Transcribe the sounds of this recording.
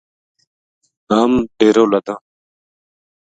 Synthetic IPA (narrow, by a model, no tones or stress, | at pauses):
aːmɖeːɾoːlɐd̪ãː